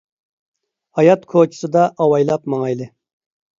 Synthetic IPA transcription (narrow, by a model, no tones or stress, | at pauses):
hɑjɑt̪kʰot͡ʃʰi̥sɨd̪ɑʔɑwɑjlˠɑpmɑŋɑjlˠɪ